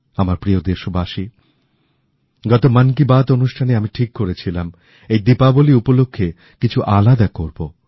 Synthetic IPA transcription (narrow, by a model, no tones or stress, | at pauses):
amaɾpɾiod̪eʃobʱaʃi | ɡɔt̪omank̬ibat̪onuʃʈʰaneamiʈʰikːoɾet͡ɕʰilam | ejd̪ipaboliupolokʰːe | kit͡ɕʰuʔalad̪akoɾbo